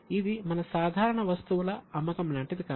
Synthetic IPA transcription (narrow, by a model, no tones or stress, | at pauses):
id̪imɐnɐsaːd̪ʱaːɾɐɳɐʋɐst̪uʋulɐɐmːɐkɐmlaːɳʈid̪ikaː